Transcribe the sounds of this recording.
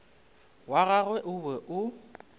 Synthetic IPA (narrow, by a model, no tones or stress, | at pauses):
waɣaɣwɛʔʊbɛʔʊ